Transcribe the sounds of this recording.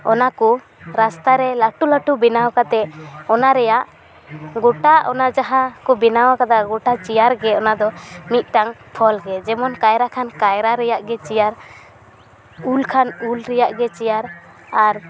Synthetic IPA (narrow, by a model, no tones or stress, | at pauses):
ɔnaku | ɾast̪aɾɛlaʈulaʈubinawkat̪ɛɔnaɾɛjaʔ | ɡɔʈaʔɔnad͡ʒaɦakubinawakad̪aɡɔʈat͡ʃijaɾɡɛɔnad̪ɔmit̪̚ˀʈaŋpʰɔlɡɛd͡ʒɛmɔnkajɾakʰankajɾaɾɛjaʔɡɛt͡ʃijaɾ | ulkʰanulɾɛjaʔɡɛt͡ʃijaɾ | aɾ